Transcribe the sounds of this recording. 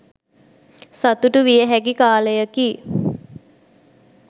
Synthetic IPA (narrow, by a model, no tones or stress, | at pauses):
sat̪uʈuʋijəɦækikaːləjəki